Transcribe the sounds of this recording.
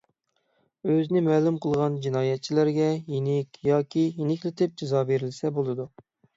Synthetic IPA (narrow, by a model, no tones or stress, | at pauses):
øzɪnɪmɛːlumqʰəlˠʁɑnd͡ʒinɑːjɛt̪̚t͡ʃʰilæɾɡʲɛjinɪkʲjɑːkʲʰijinɪkʲlɪt̪ʰɪp̚d͡ʒɪzɑːbeɾɪlsɛbolˠɨd̪u